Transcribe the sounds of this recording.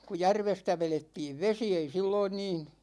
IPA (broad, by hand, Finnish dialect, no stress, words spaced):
ku jærʋestæ ʋeletːiːʋ ʋesi ei silːoin niːn̞